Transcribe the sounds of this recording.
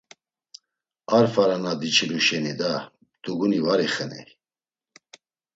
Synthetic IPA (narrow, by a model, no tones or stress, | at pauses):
aɾfaɾanad̪it͡ʃʰiluʃɛnid̪a | t̪ʰuɡunivaɾiχənḭ